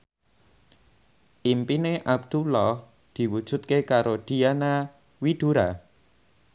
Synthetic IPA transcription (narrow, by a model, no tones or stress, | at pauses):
ʔimpineʔab̚d̪̥ulɔh | d̪̥i̤wud̥ʒ̥ṳt̪̚kekaɾoɖ̥iana | wid̪̥uɾa